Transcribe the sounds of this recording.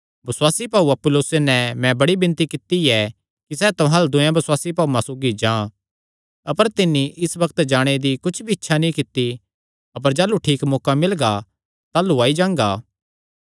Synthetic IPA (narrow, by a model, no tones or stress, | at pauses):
bɐswaːsipaːuɐpːʊloːsenɛ̃mɛ̃bɐɽibɪ̃nt̪ikɪt̪iɛ | kisɛːt̪ʊɦãld̪ʊ̃jãbɐswaːsipaːumãsoːɡid͡ʒãː | ɐpəɾt̪ɪnːiʔɪsbɐkt̪d͡ʒaːɽ̃ed̪ikʊt͡ʃʰbʱiɪtːʃʰanĩkɪt̪ːi | ɐp̬əɾd͡ʒaːluʈʰiːkmɔːkamɪlɡa | t̪aːluaːid͡ʒãːŋɡaː